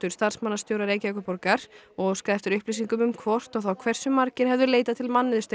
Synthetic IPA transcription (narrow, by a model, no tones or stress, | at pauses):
t̪ʏɾ̥st̪aɾ̥smanːast̪jowɾaɾeːjcakʏpɔɾkaɾɔɣskɾajft̪ʏɾʏhplis̬iŋkʏmʏmkʰvɔr̥t̪ɔwθawkʰv̥ɛr̥sʏmaɾcɪɾ̥ɦɛvðʏleːjt̪at̪ʰɪlmanːɪðʏst̪